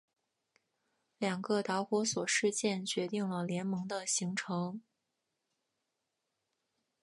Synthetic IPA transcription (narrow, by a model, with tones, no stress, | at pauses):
ljɑ˨˩ŋɡə˧t̪a˧˥ʊxwɔ˧˥swɔ˨˩ʂɻ̩˥˧t͡ɕjɛ˥˩nt͡ɕɥɛ˧˥t̪i˥˩ŋlə˩ljɛ˧˥nmɤ˧˥ŋd̪ə˧ɕi˧˥ŋʈ͡ʂʰɤ˧˥ŋ